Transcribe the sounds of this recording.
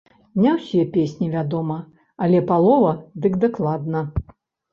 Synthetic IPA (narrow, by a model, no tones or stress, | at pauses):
nʲawsʲɛpʲesʲnʲivʲad̪ɔmɐ | ɐlʲɛpalˠɔvɐd̪ɨkd̪aklˠad̪nɐ